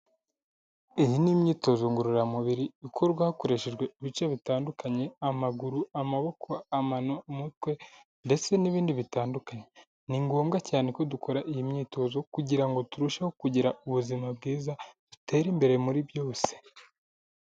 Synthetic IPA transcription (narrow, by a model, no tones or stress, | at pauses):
ijinimɲiːto̞zo̞ŋɡuɾuɾamuβiɾiikʰo̞ɾɡwaːhako̞ɾe̞ʃe̞ʒɡwe̞iβit͡ʃeβitaːndukaɲe̞amaɡuɾuamaβo̞kʰo̞amanomutwe̞ | nde̞t͡se̞niβiːndiβitaːndukaɲe̞ | niŋɡoːmɡacaːneko̞duko̞ɾaʔijimɲiːto̞zo̞kuɟiɾaŋɡo̞tuɾuʃaho̞kuɟiɾauβuzimab̚ɡiːzad̥ute̞ːɾimbe̞ɾe̞muɾibjo̞ːse̞̥